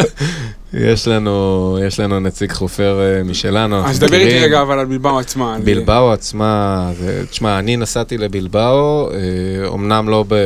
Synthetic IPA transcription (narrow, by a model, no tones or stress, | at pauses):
jḛʃlanujeʃlanunat͡siɡχofe̞ʁmiʃe̞lanuanaχzd̪abeʁiʁeɡaːvalalbilbawat͡smabilbawat͡smazet̪i̥ʃmaːninasat̪ile̞bilbaoeo̰mnamlo̞be